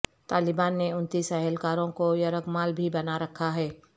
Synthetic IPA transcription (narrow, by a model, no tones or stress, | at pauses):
t̪aːlɪbaːnːeʊnt̪iːsɛɦəlkaːɾõkojɐɾəɡmaːlbʱibɐnaɾɐkʰaɦɛː